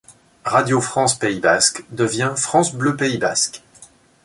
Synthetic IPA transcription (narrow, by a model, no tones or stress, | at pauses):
ʁad̪jofχɑ̃speibaskd̪əvjɛ̃fχɑ̃sbløpeibask